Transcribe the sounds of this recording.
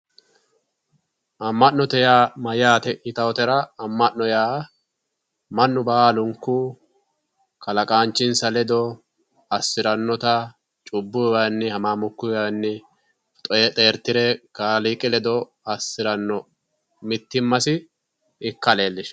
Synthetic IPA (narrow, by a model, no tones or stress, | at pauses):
ʔɐmːɐnnɔt̪ɛjaːmɐjaːt̪ɛɪt̪ɐwɔt̪ɛɾɐɐmːɐʔnːɔjaː | mɐnːʊbaaːlʊŋkːʊ | kɐlɐkʼaːnt͡ʃːɪnsɐlɛd̪ɔ | ɐsːɪɾɐnːɔt̪ɐ | t͡ʃʼʊbːʊjwɐnːɪhɐmaːmʊkːʊjwɐnːɪ | t̪ʼɔjɛt̪ʼeːɾt̪ːɪɾɛkaːlikʼɪlɛd̪ɔ | ɐsːɪɾɐnːɔ | mɪt̪ːɪmːɐsɪ | ɪkːɐleːlːɪʃ